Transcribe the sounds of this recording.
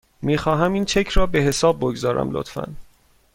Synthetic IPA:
miːxɒːɦæmiːnt͡ʃʰecʰɾɒːbe̞ɦe̞sɒːb̚ːoɡzɒːɾʔæ̰mlo̰t̪fæ̰n

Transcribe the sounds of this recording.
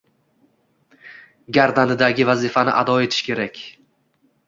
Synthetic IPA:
ɡʲaɾd̪anɪd̪aɡʲɪvazɪfanɪ̰ʔad̪ɒe̞t̪ʰɪ̥ʃkʲe̞ɾakʲ

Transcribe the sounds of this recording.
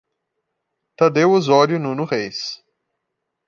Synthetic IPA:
t̪ɐd̪ewʊzɔɾjʊnũnʊʁejs

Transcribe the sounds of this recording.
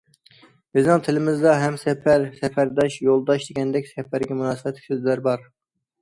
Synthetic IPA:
bɪznɪŋt̪ʰɪlɪmɪzd̪ɑɦɛmsɛfæɾsɛfæɾd̪ɑʃjolˠd̪ɑʃd̪eɡʲɛnd̪ɛkʲsɛfæɾɡʲɛmunɑːsɨbɛt̪ʰlɪkʲsøzlæɾbɑɾ

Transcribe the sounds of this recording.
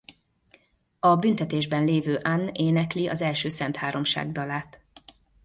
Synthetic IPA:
ɒbynt̪ɛt̪eːʒbɛnleːvøːʔanːeːnɛkliʔɒ̰zɛlʃøːsɛnt̪haːɾo̞mʃa̰ːɡd̪ɒlaːt̪

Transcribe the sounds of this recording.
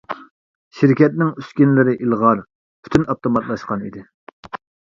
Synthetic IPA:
ʃiɾkʲɛt̪̚nɪŋyskʲinlɪɾɪʔilˠʁɑɾ | pʰy̥t̪ʰynɑp̚t̪omɑt̪lˠɑʃqɑnḭd̪ɪ

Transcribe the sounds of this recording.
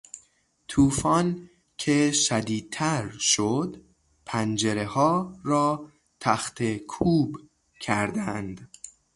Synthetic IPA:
t̪ʰuːfɒːn | cʰe̞ʃæd̪iːd̪̚t̪ʰæɾʃod̪ | pʰænd͡ʒeɾehɒːɾɒː | t̪ʰæxt̪ʰekʰuːb | cʰæɾd̪ænd̪̥

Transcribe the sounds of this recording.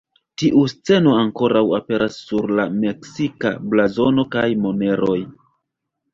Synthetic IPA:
tiʔust͡se̞no̞aŋko̞ɾawape̞ɾasːuɾlame̞ksika̰blazo̞no̞kajmo̞ne̞ɾo̞j

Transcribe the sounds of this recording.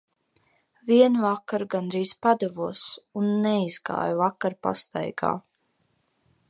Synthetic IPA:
viɛnvakːaɾɡand̪ɾiːspad̪ɛvuɔsunːɛizɡa̰ːjvakːaɾpa̰st̪a̰jɡa̰ː

